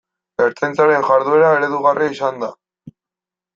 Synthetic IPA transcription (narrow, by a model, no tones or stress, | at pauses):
beɾt͡s̪ajnt͡saɾe̞nʝaɾðue̞ɾae̞ɾe̞ðuɣariisand̪a